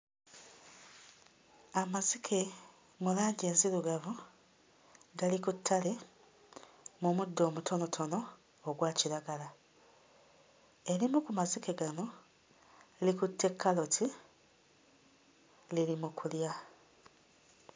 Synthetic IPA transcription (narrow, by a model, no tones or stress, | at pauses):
amazikʰe̞ | mulaːɲɟe̞ːnziɾuɡavu | ɡalikutʰːale̞ | mumudːo̞ːmutʰo̞no̞tʰo̞no̞ː | ɡwaːciɾaɡala | e̞ɾimukumazike̞ɡano̞ | likutʰːe̞kʰːalo̞tʰi | lilimukʰulja